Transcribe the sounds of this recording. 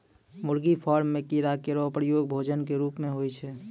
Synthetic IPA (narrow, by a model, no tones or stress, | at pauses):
mʊɾɡipʰɔːɾmːẽkiɾakeɾɔpɾəjoːɡ̚bʱoːd͡ʒənkeɾuːpmẽɦoit͡ʃʰɛː